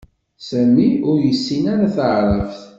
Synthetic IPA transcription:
sæmːiʊɾjəsːinaɾaθəʕɾˤəfθ

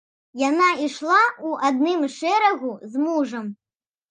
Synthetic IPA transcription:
janaiʂlˠauʔad̪̚nɨmʂɛɾɐɣuzmuʐɐm

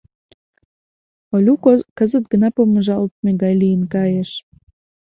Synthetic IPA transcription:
olʲukokəzət̪ɡənɑpoməʒɑlt̪̚meɣɑjlijənkɑjeʃ

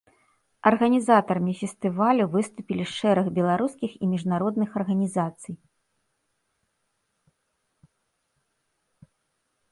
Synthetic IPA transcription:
ɐrɣɐnʲizat̪ɐɾɐmʲifʲɛst̪ɨvalʲuvɨst̪upʲilʲiʂʂɛɾɐɣbʲɛlˠaɾuskʲixḭmʲiʐnaɾɔd̪nɨxɐrɣɐnʲizat̪sɨj

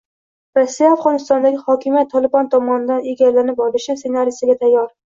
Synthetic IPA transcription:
ɾɒsːijaːfʁɒnɪst̪ɒnd̪aɡʲɪhɒkʲʰɪmijat̪ʰːɒlˠɪbɒnt̪ʰɒmɒnɪd̪aneɡʲaɾlanɪpɒlɪʃɪsenaɾijsɪɡʲat̪ʰajːɒɾ

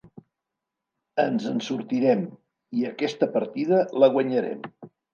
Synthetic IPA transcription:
ənzənsuɾt̪iɾɛm | iəkɛst̪əpəɾt̪iðələɣ̞wəɲəɾɛ̰m

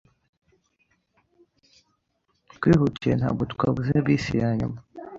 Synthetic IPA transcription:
tkʷwihuciena̰bot̪kʷabuzinabisijaɲṵma

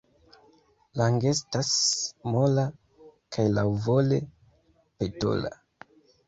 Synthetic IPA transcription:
laŋɡe̞stasmola | kʰajlawvo̞le̞ | peto̰la̰

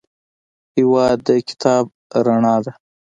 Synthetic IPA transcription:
hɪwɑːd̪ːəkɪ̥t̪ʰɑːb̚ | ɾaɳɑːd̪a

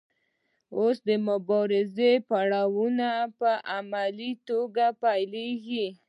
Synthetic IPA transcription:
osd̪əmʊbɑɾɪzepaɽawunapəʔamalit̪oɡapajleɡi

